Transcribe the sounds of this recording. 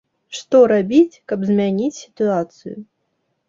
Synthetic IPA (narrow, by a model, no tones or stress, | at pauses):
ʂt̪ɔɾabʲit͡sʲkɐbzʲmʲanʲit͡sʲsʲi̥t̪uat̪sɨ̰jʊ̰